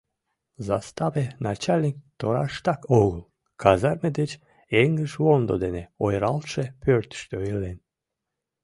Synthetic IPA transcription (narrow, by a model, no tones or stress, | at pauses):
zast̪avenat͡ʃalʲnik̚t̪oɾaʃt̪ɑkoɣlˠ | kʰazaɾmed̪et͡ɕ | eŋɡləʃvond̪od̪eneojɾɑlˠʃepʰøɾt̪ʃt̪øilen